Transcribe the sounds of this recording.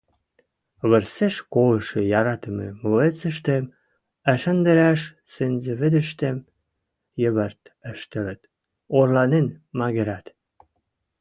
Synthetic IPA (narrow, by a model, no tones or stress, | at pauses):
βə̆rseʃkoləʃejɑɾɑt̪ə̆mḛmoet͡sə̆ʃ̬t̪em | æʃə̆nd̪ə̆ɾæʃ | senzĕβə̆d̪ə̆ʃt̪em | jə̆βərt̪ə̆ʃt̪ə̆ɾə̆t̪ | orlɑnenmɑɣeɾæt̪